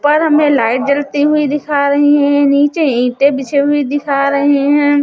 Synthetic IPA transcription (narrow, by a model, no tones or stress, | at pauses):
pɐɾɦɐmẽlaːɪʈ̚d͡ʒɐlt̪iɦʊid̪ɪkʰaɾɐɦiɦɛ̃niːt͡ʃeĩːʈebɪt͡ʃʰeɦʊid̪ɪkʰaɾɐɦiɦɛ̃ː